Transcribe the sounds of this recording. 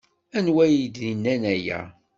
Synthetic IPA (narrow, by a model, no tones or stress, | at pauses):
ænwæjd̪inːænæjæ̰